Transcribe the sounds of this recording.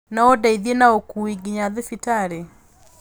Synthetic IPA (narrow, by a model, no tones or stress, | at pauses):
naodaiðienaokuiɡiɲaðefitaɾe